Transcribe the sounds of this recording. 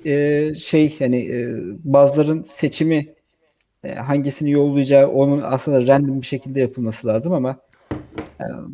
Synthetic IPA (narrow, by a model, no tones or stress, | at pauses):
ɛːʃejhanɪʔːbaːzlˠaɾɯnse̞t͡ʃʰimḭ | ɦaɲɟisinijo̞lˠːujd͡ʒaːʔo̞nuna̰sɯnd̪aɾænd̪imbiʃe̞cʰilʲd̪ɛjapʰɯlˠmasɯlʲˠaːzɯmama | ɛ̰